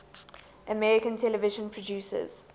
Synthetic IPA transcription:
ʔəmɛɹɪkə̃ntʰɛləvɪʒə̃npʰɹɔduːsə̰z̥

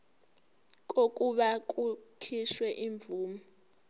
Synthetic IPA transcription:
kʼokʼuɓakʼukʰiʃwɛʔiɱbvuːmɔ

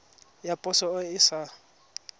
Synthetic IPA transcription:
japʼʊsɔʊɪsa

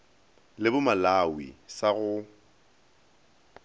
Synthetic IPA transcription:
lɪbʊmalawḭsaɣʊ

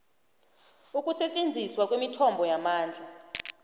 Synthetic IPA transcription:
ukʼusɛt͡ʃʼend͡zʱiswakʼwimitʰɔmbʱɔjamaːnd͡ɮʱa

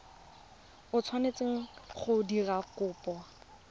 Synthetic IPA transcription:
ʊt͡sʰwanet͡seŋ̩χʊdirakʊːpɔ

